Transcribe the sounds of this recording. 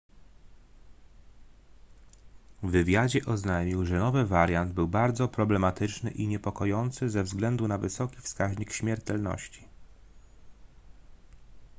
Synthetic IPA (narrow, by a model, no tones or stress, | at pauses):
vɘvʲjad͡ʑɛʔɔznajmʲiwʐɛnɔvɘvaɾʲjand̪̚bɘwbaɾd̪zɔpɾɔblɛmat̪ɘt͡ʂnɘ̰ʔiɲɛpɔkɔjɔnt̪sɘzɛvzɡlɛnd̪unavɘsɔkʲifskaʑɲikɕmʲjɛɾt̪ɛlnɔ̰ɕt͡ɕi̥